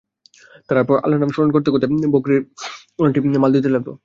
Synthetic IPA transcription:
t̪aɾaɾpɔɾa̰lanamʃuɾonkoɾt̪ekot̪ebokɾiɾ | onaʈiemald̪it̪̬elɛt̪o̰

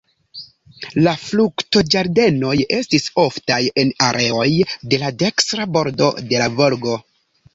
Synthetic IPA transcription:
laflukto̞d͡ʒaɾde̞no̞je̞stiso̞ftaje̞naɾʔe̞o̞jde̞lade̞kstɾabo̞ɾdo̞̰de̞lavo̞ɾɡo̞

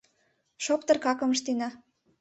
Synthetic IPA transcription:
ʃopt̪ɤ̆rkɑkɤ̆mə̆ʃt̪inɑ

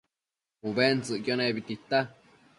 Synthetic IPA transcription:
uβent͡sɨʔkjonẽβit̪it̪a

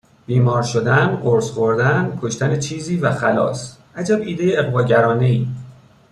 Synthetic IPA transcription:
b̥iːmɒːɾʃo̞d̪ænɢoɾsχoɾd̪ænkʰo̞ʃt̪ænet͡ʃʰiːziːvæxælɒ̰ːsʔæd͡ʒæbiːd̪e̞jeeɣbɒːɟæɾɒːne̞iː

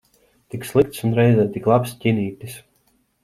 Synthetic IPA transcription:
t̪ikslˠik̚t̪sunɾɛjzɛt̪iklˠapscʲiniːt̪ʲis

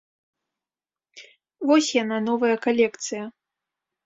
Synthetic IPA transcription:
vɔsʲjananɔvɐjɐkalʲɛkt̪sɨjɐ

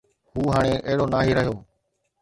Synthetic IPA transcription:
huːɦaːɽ̃eːʔəɦɪɽoːnaːɦiːɾəɦɪjoː

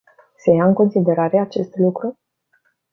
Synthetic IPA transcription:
se̞jaɨŋko̞nsid̪e̞ɾaɾe̞at͡ʃe̞st̪lukɾu

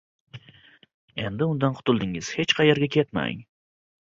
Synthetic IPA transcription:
e̞nd̪ɪʊnd̪anqʰʊ̥t̪ʰʊlˠd̪ɪŋɪz̥he̞t͡ʃqʰɑjeɾɡʲakʲʰe̞t̪ma̰ŋ

